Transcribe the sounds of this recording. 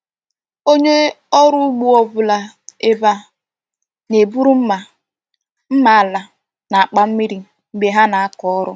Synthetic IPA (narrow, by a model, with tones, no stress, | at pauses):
o˦ɲe˦ | ɔ˦ɾʊ˦ɡ͡bu˦ɔ˨bʊ˨la˨ | e˨ba˨ | ne˨bu˦ɾu˦m̩˦ma˨ | m̩˦ma˦a˨la˨ | na˨a˨k͡pa˦m̩˦mi˦ɾi˦˨ | ŋ͡m̩˨ɡ͡be˨ɦa˦na˨a˦kɔ˨˦ɔ˦ɾʊ˦